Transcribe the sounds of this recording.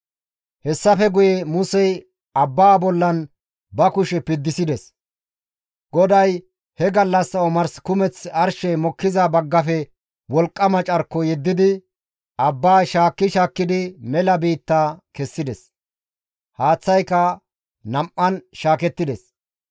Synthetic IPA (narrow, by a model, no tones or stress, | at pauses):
hɛsːɐfɛɡʊjɛmʊsɛj | ɐbːaːbɔlːɐn | bɐkʊʃɛpɪd̪ːɪsɪd̪ɛs | ɡ̥ɔd̪ɐj | hɛɡɐlːɐsːɐɔmɐɾskʊmɛt͡sɐɾʃɛmɔkːɪzɐbɐɡːɐfɛ | wɔlkʼːɐmɐt͡ʃʼɐɾkːɔjɛd̪ːɪd̪ɪ | ɐbːaːʃaːkːɪʃaːkːɪd̪ɪmɛlɐbiːt̪ːaːkɛsːɪd̪ɛs | haːt͡sːɐjkːɐ | nɐmʔːɐnʃaːkɛt̪ːɪd̪ɛs